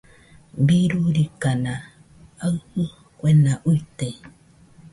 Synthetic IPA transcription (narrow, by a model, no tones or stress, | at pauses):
biɾuɾikanã | ahɨ | kʷenaʔuit̪e